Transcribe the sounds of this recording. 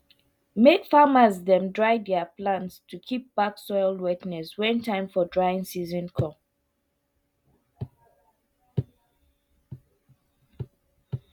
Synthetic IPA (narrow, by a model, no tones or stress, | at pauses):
mekfaməzdɛ̃mdɹaɪdɛaplãntstʰukʰip̚b̥aksɔɪldwɛtnɛswɛ̃ntʰãɪ̃mfɔdɹaɪɪ̃ŋsizɔ̃nkʰɔ̃m